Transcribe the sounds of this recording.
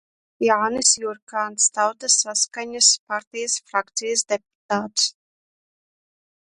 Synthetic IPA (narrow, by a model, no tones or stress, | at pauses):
jaːnɨsjuɾkaːnst̪awt̪asːaskaɲaspaɾt̪ʲijasfɾakt̪sijas̬d̪ɛp̚u̥t̪aːt̪s